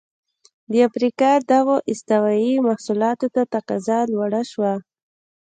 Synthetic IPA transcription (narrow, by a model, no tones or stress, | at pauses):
d̪əafɾikɑd̪awoʔɪst̪awajimahsulɑt̪ot̪at̪aqɑzɑlwaɽaʃwa